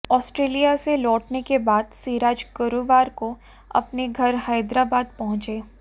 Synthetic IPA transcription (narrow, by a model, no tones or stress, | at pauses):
ɔːsʈɾeːlijaselɔːʈnekebaːd̪siːɾaːd͡ʒɡʊɾuʋaːɾko | ɐ̰pneɡʱɐɾɦaːɪd̪ɾaːbaːd̪̚pɐɦʊ̃t͡ʃeː